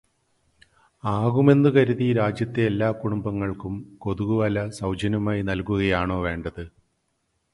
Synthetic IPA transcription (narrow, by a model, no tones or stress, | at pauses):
aːɣume̞nːɨkɐɾuðiɾaːd͡ʑjɐt̪ːeːlːaːkuɽumbɐŋːɐɭkumko̞ðuɣuʋɐlɐsɐwd͡ʑɐnumaːjinɐlkuɣɐjaːɳo̞ːʋe̞ːɳɖɐðɨ